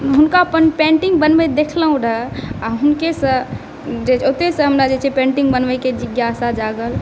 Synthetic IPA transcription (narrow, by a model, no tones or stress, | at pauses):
ɦunkaəpənpẽɳʈiŋɡ̚bənbɛd̪ekʰləɦũɾəaɦunkesə̃ | d͡ʒet͡ʃʰot̪esə̃ɦəmɾad͡ʒet͡ʃʰepẽɳʈĩŋɡbənʋəked͡ʒiɡjasad͡ʒaɡəl